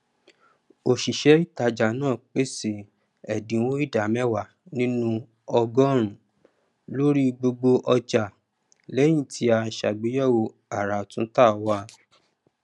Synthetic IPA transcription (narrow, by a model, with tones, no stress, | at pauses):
o˨ʃi˨ʃɛ˨˦i˦˨ta˧d͡ʒa˨nãː˦˨k͡pe˦se˨ | ɛ˨dĩ˨˦wõ˦i˦˨da˨mɛ̃˦wa˨nĩ˦nũ˦ | ɔ˧ɡɔ˦˨ɾ̃ũ˨ | lo˦ɾi˦ɡ͡bo˧ɡ͡bo˧ʔɔ˧d͡ʒa˨ | lɛ˨˦jĩ˦˨tʰi˧˦a˧ʃa˨ɡ͡be˨˦jɔ˦˨wo˧ | a˨ɾa˨tũ˦ta˦˨wa˧˦